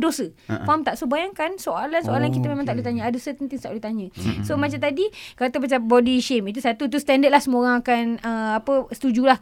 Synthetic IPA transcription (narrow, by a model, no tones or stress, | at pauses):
dosə | famt̪aʔsobajaŋkansoalansoalankit̪amẽmãŋt̪aʔliht̪aɲə̃adosət̪ənt̪iŋst̪aʔlot̪aɲə̃somat͡ʃamt̪adikat̪əpat͡ʃabɔdiʃemit̪̬usat̪ut̪̬ust̪ɛndət̪̚lahsəmoɾaŋakanəapəst̪ud͡ʒulah